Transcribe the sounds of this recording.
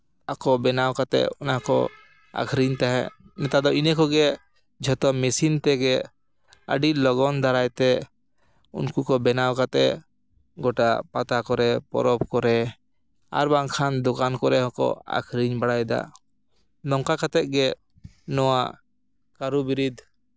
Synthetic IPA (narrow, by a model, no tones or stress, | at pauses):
akɔbɛnawkat̪ɛ̰ʔɔnakɔ̰ | a̰kʰɾiɲt̪aɦɛ̰nɛt̪ad̪ɔinɛkɔɡɛ | d͡ʒʱɔt̪ɔmɛsint̪ɛɡɛ | ə̰ɖilɔɡɔnd̪aɾajt̪ɛ | ṵnkukɔbɛnawkat̪ɛʔ | ɡɔʈapat̪akɔɾɛpɔ̰ɾɔbkɔɾɛ | a̰ɾbaŋkʰand̪ɔkankɔɾɛɦɔ̃kɔ̰a̰kʰɾiɲbaɽajd̪a̰ | lɔŋkakat̪ɛʔ̪̚ɡɛ | nɔwa | kaɾubiɾid̪